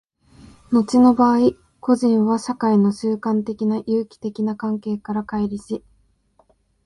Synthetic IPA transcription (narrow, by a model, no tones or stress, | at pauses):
no̞t͡ɕino̞baːi | ko̞ʑĩɰ̃βaɕakaino̞ɕɨːkãnt̪e̞kʲinajɯːkʲi̥t̪e̞kʲinakãŋke̞ːkaɾakaiɾʲiɕi